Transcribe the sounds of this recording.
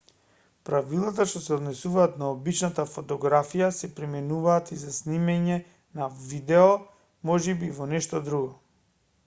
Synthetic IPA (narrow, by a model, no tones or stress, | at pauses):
pɾavilˠat̪aʃt̪ɔsɛɔd̪nɛsuvaːt̪naobit͡ʃnat̪afɔt̪ɔɡɾafijasɛpɾimɛnuvaːt̪izasnimɛɲɛ | navid̪ɛɔ | mɔʒɛbivɔnɛʃt̪ɔd̪ɾuɡɔ